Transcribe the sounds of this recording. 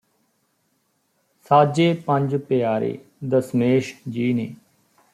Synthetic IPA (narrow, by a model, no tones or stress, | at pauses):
saːd͡ʒeːpəɲd͡ʒpɪjaːɾḛːd̪əsmeːʃd͡ʒiːneː